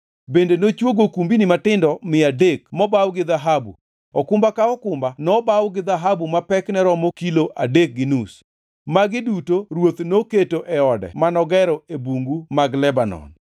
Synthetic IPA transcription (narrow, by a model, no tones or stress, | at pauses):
bendenot͡ʃwoɡokumbinɪmatɪndɔmɪadekmɔbawɡɪðaɦabṵ | ɔkʊmbakaɔkʊmbanɔbawɡɪd̪aɦabumapɛknɛɾɔmɔkiloʔadek̚ɡɪnus | maɡɪdutoɾwot̪noketoʔɛɔdɛ̰manɔɡɛɾɔebuŋɡumaɡlɛbanɔ̰n